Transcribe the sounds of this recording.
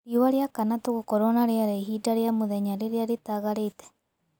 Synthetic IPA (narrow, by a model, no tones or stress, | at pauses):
ɾiowaɾeakanatoɣokɔɾɔnaɾeaɾaiɦiːdaɾeamoðɛɲaɾeɾeaɾetaɣaɾeitɛ̥